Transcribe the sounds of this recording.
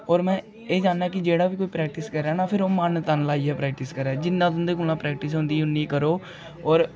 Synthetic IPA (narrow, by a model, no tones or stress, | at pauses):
ɔːɾmɛ̃ː | eːd͡ʒaːnːaːkɪd͡ʒeːɽaːʋiːkoːiːpɾɛːk̚ʈiːskəɾɛːnãːpʰɪɾoːmənt̪ənlaːiːɛːpɾɛːk̚ʈiːskəɾɛːd͡ʒɪnːãːt̪ʊnd̪eːkʊlãːpɾɛːk̚ʈiːs̬ɦʊ̃nd̪iːʊnːiːkəɾoː | ɔːɾ